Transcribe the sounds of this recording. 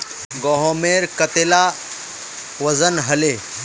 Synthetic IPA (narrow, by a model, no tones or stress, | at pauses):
ɡoːɦoːmeːɾkɐt̪eːlaː | ʋɐzənɦɐleː